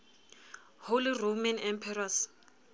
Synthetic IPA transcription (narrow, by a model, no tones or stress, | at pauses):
holiromɛnɛmpʰɛras